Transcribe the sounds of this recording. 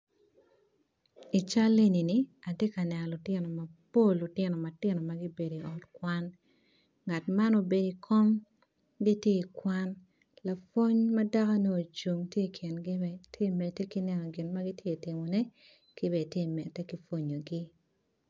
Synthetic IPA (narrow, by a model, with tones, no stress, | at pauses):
i˨t͡ʃa˦le˦ni˨ni˨a˨te˦ka˨nɛ˨nɔ˨lu˨tjɪ˦nɔ˨mɐ˨po˦˨lːu˨tɪ˦nɔ˨ma˨tɪ˦nɔ˨ma˦ɡi˦be˨di˨ɔ˨tkwa˦n | ŋa˨tma˦no˦be˨di˨kʰɔ˦ŋ | ɡi˦tje˦i˨kwa˦n | la˨fo˦ɲma˦da˦ka˦noː˦˨t͡ʃu˨ŋtje˦˨kʰɪ˨nɡi˦ɛtʰje˦mɛ˨tːɛ˦ki˦nɛ˨nɔ˨ɡɪ˨nma˦ɡi˦tje˦˨tɪ˨mo˨nɛ˦ | ki˦βɛ˨tje˦mɛ˨tːɛ˦ki˦fo˦ɲo˨ɡi˦